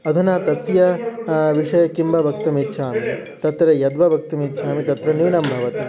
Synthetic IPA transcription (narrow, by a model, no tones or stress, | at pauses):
ɐd̪ʱunaːt̪ɐsjɐʋiʂɐjɐkimbʱɐbɐk̚t̪ɐmitːʃʰaːmi | t̪ɐt̪ɾɐjɐd̪ʋɐbʱɐk̚t̪ɐmit̪ːʃʰaːmit̪ɐt̪ɾɐniʋnɐmbʱɐʋɐt̪i